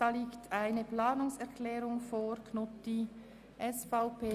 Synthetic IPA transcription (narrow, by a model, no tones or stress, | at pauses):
d̥ɑːliːktʰaɪnəplaːnʊŋsɛʁkʰlɛːɾʊŋfoːɾkʰnʊtd̥i | ʔɛsfaʊpeː